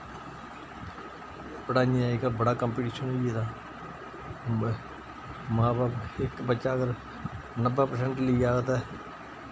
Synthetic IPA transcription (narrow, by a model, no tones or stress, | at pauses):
pəɽaːniaːɪkabəɽaːkəmpiʈiːʃənoiɛːt̪ãː | mãːbaːbɪkbətːʃaːəɡəɾ | nəbapəɾsɛ̃ɳʈliiaːɡət̪aː